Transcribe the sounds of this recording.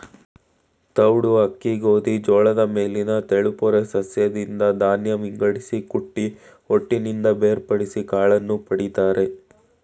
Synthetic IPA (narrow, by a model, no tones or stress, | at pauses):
t̪ɐwɽuɦɐkːiɡoːd̪id͡ʒɔːɭɐd̪ɐme̞ːlinɐt̪eɭupɔɾesɐsjɐd̪ind̪ɐd̪aːnjɐmiŋɡɐɽisikuʈːi | oʈːinind̪ɐbeːɾpɐɽisikaːɭɐnːupɐɽid̪aːɾe̞